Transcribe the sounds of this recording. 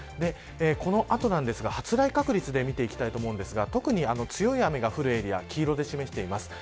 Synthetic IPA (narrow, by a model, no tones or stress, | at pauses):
d̪e̞ | ko̞no̞ʔat̪o̞nãnd̪e̞sɨɡahat͡sɨɾaikakɯ̟ɾʲit͡sɨd̪e̞mʲit̪e̞ikʲt̪ait̪omo̞ɯ̃nd̪esɨɡat̪o̞kɯ̟ɲ̟iano̞t͡sɨjo̞iame̞ɡaɸɯ̟ɾɯ̟e̞ɾʲia̰kʲʰiːɾo̞d̪e̞ɕime̞ɕi̥t̪e̞imasɨ̥